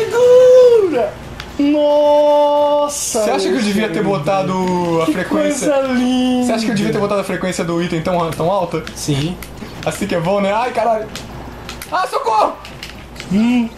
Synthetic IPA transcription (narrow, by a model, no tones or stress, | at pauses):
seɡuɾɐ | nɔ | sɐseaʃɐkɪewd͡ʒeviɐt̪eɾbot̪ad̪ʊɐfɾekkwẽssiɐɐlĩseaʃɐkɪewd̪eviɐt̪eɾbot̪ad̪ʊɐfɾekwẽsiɐd̪ʊit̪ẽj̃t̪ɐ̃w̃t̪ɐ̃w̃awt̪ɐsĩ | asĩkɪɛbõnɛajkaɾaʎʊ | ajsokomʊ